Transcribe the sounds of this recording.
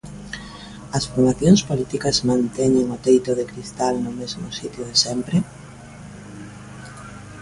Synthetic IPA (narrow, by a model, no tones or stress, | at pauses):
ɐsfoɾmaθjoŋspolit̪ikɐzmãnt̪ɛɲeŋʊt̪ejt̪ʊðɪkɾist̪alnʊmezmʊsit̪joðɪsɛmpɾe